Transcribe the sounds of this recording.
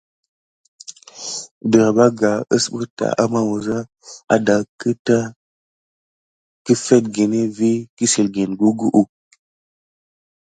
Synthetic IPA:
də˨ɾa˨ba˦ɡa˨ə˦sɓə˦ta̰˨ʔa̰˦ma˦wu˨za˦ | a̰˨da˨kə˦ta˦ | ki˦fe˦t̚ɡe˨ne˦vi˦ki˦si˨lɡe˨nɡu˦ɡu˦ʔu˦˨

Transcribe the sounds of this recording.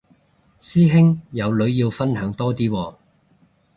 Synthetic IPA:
siː˥ɦɪ˥ŋjɐ˨˧wlɵ˨˧˥ɥjiː˧wfɐ˥nɦœː˨˥ŋt̪ɔː˥t̪iː˥wɔː˧

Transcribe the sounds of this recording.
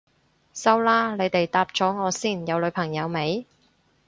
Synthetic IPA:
sɐ˥wlaː˥le˨˧jt̪e˨jt̪aː˧p̚t͡ʃɔː˨˥ŋɔː˨˧siː˥˩njɐ˨˧wlɵ˨˧ɥpʰɐ˨˩ŋjɐ˨˧wme˨˧j

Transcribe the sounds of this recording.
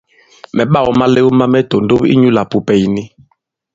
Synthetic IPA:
mɛ˨ɓa˦˨wɔ˨ma˦le˦wu˦ma˦mɛ˦to˨n˨do˦pḭ˦ɲu˦la˨pu˨pɛ˨i˨ni˦

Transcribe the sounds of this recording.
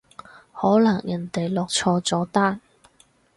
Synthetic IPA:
hɔː˨˥lɐ˨˩ŋjɐ˨˩nt̪e˨jlɔː˨k̚t͡sʰɔː˧t͡sɔː˨˥t̪aː˥n

